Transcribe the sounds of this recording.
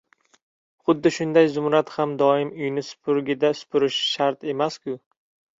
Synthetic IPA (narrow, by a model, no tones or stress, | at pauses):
χʊd̪ːɪʃʊnd̪ajzʊmɾat̪hamd̪ɒɪmʊjnɪsʊ̥pʰʊɾɡʲɪd̪asʊ̥pʊɾɪʃʃaɾt̪e̞maskʲʊ